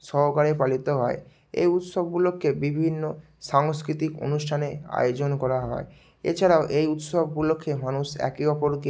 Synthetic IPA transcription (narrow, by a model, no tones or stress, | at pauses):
ʃɔɦokaɾepalit̪oɦɔe | ḛjut̪sobɡulokːebibʱinːo | ʃaŋskɾit̪iko̰nusʈʰanea̰jod͡ʑonkɔɾaɦɔe | ḛt͡ɕʰaɾaoʔejut̪sobʱɡulokʰːemanusɛ̰kiɔpoɾke